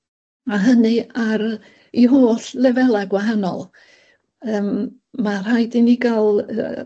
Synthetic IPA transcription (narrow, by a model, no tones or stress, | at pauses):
aɦənɨaɾ | iɦoːɬlɛvɛlˠaɡwaɦanɔ̰lˠ | əːm | mar̥ajdɪniɡalˠə